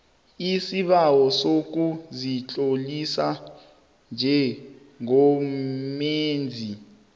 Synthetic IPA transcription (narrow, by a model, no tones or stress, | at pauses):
isiɓawɔsok̬uzit͡ɬʼolisa | nd͡ʒʱɛ | ŋɔmeːnd͡zʱi